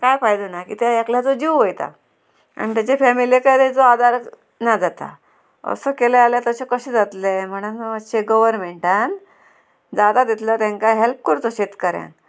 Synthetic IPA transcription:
kajfaɦjd̪ənakḭːt̪eakljat͡sod͡ʑiwʋojt̪a̰ | a̰ñit̪jat͡ɕefɛmiliekajt̪eit͡soad̪aɾ | nad͡zat̪a̰ | ə̰səkelealjat̪əɕekəɕed͡zat̪lem̤əɽ̃əəɕeɡəʋəɾnmeɳʈan | d͡zad̪ad̪et̪lət̪ãŋkaɦelp̚kəɾt̪oɕet̪kəɾjã̰n

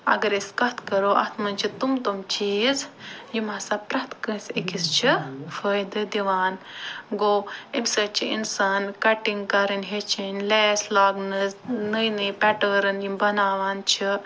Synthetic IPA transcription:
ɐ̰ɡɐɾeskɐt̪kɐɾoːʔɐ̰t̪ʰmɐnt͡ʃʰit̪umt̪omt͡ʃiːzjimaːsapɾɐt̪ʰkənsekist͡ʃʰifəːjd̪ɨd̪iʋaːnɡoːebʲsɐt͡ʃʰiʔḭnsaːnkɐʈiŋɡkɐɾɨnʲɦet͡ʃʰinʲleːslaːɡnɨznɨjnɨpʲɛʈəːɾɨnjimbɐnaːʋaːnt͡ʃʰi

